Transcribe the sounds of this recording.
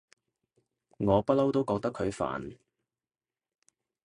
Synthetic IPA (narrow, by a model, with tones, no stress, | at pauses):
ŋɔː˨˧pɐ˥lɐ˥wt̪o˥wkɔː˧k̚t̪ɐ˥kʰɵ˨˧ɥfa̰ː˨˩n